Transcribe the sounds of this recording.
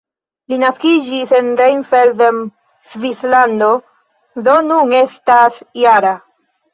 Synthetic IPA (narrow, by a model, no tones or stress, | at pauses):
linaskid͡ʒise̞nɾejnfeɾdem | svisland̪o̞ | do̞nuŋe̞stasjaɾa